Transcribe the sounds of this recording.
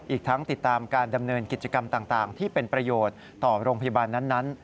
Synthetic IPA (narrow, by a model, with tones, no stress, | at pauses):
ʔiː˨˩k̚t̪ʰa˦˥ŋt̪i˨˩t̪ːaː˧mkaː˧nda˧mnɤː˧nki˨˩t̪̚t͡ɕa˧ka˧mt̪aː˨˩ŋt̪aː˨˩ŋt̪ʰiː˥˩pe˧npɾa˧joː˨˩t̪̚ːɔː˨˩ɾoː˧ŋpʰa˧ja˧baː˧nːa˦˥nːa˦˥n